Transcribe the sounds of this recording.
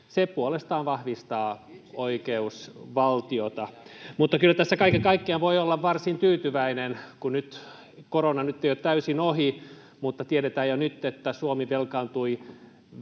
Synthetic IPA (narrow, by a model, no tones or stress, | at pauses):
sepuolest̪ɑːnʋɑhʋist̪ɑːoikeusʋɑlt̪iot̪ɑmut̪ːɑkylːæt̪æsːækɑikekɑikːeɑnʋoiolːɑʋʋɑrsint̪yːt̪yʋæinenkunyt̪ | koronɑnyt̪ːeijot̪t̪æysinohi | mut̪ːɑt̪ieɾet̪æːjonyt̪ːet̪ːæsuomiʋelkɑnt̪ui